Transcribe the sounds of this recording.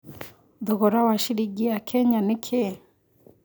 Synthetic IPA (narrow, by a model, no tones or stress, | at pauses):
d̪ɔɣɔɾawaʃiɾiɡiakʰɛɲanekʰe